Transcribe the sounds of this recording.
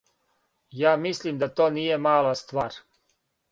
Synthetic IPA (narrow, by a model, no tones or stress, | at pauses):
jaːmislimd̪at̪oːniːje̞maːlast̪ʋaːɾ